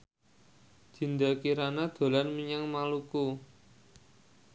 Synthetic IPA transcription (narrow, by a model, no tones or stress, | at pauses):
d͡ʒ̥i̤nd̪akiɾanad̪̥o̤lanmiɲaŋmaluku